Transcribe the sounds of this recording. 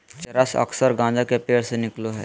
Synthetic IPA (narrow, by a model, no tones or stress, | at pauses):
t͡ʃɐɾəsɐ̰ksəɾɡãːd͡ʒakepeːɾsenɪkloɦɛ̰ː